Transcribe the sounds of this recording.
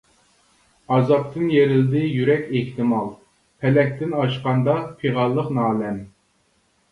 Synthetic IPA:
ɑzɑp̚t̪ʰɨnjeɾɪld̪ɪjyɾɛkʲeht̪ɪmɑlˠ | pʰɛlɛk̚ʲt̪ɪnɑʃqɑnd̪ɑpʰiʁɑlˠːəqnɑːlɛm

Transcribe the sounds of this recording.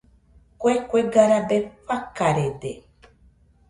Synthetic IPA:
kʷekʷeɡaɾabefakaɾed̪e

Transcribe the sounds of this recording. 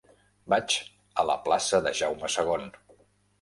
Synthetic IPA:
bat͡ʃ | ələ̰plasəðəʒawməsəɣ̞on

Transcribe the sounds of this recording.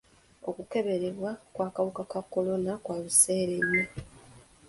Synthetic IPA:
o̞̰kuke̞βe̞ɾe̞βwakwaːkaβukakakːo̞lo̞nakwaːβuse̞ːɾeɲːo

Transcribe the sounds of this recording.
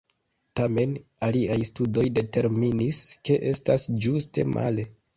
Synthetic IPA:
tame̞naliajstudo̞jde̞te̞ɾminiske̞ʔe̞stasd͡ʒuste̞̰mʔa̰le̞

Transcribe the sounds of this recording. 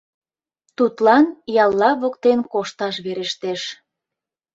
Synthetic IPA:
t̪ut̪lɑnjɑlːɑβokt̪enkoʃt̪ɑʃβeɾeʃt̪eʃ

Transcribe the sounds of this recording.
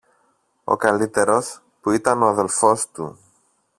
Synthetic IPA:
o̞̰kɐlit̪e̞ɾo̞s | puit̪ɐno̞ɐðe̞lfo̞st̪ṵ

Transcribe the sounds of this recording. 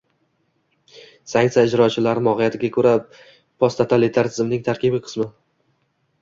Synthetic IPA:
saŋt̪aɪd͡ʒɾɒt͡ʃʰɪlaɾmɒʁɪjat̪ʰɪɡʲakʰɵɾa | pʰost̪ʰat̪ʰalɪt̪ʰaɾt̪ʰɪzɪmnɪŋt̪ʰaɾkʲɪbɪqʰɨ̥smɪ

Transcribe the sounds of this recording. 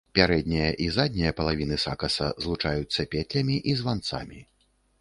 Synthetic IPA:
pʲaɾɛd̪ʲnʲijɐʔizad̪ʲnʲijɐpɐlˠavʲinɨsakɐsɐzlˠut͡ʂajut̪sːɐpʲɛt̪ʲlʲɐmʲiʔizvant̪sa̰mʲi

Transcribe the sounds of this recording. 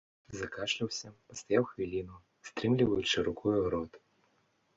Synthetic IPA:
zakaʂlʲiwsʲɐpɐst̪ajawxvʲilʲinʊ | st̪ɾɨmlʲivɐjʊt͡ʂɨɾʊkʰɔjuɾɔt̪

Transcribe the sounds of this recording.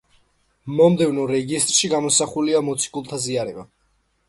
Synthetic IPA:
mɔmd̪ɛvnɔɾɛɡist̪ʼɾʃiɡamɔsaχuliamɔt̪sʰi̥kʼulˠt̪ʰaziaɾɛba

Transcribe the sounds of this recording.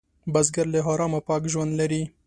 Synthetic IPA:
bɐzɡɐɾleɦɑːɾɑːmapɑːkʒwɐnd̪lɐɾi

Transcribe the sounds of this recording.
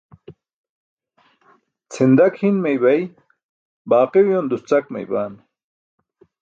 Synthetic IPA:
t͡sʰind̪akhinmejbɐj | baːqewjond̪ust͡sakma̰jbaːn

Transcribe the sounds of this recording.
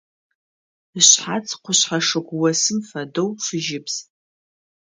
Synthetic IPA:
ɨɕħat͡sʰqʷʰʊɕħaʂɨɡʷwɐsɨmfɐdowʂɨʒɪpʰz̥

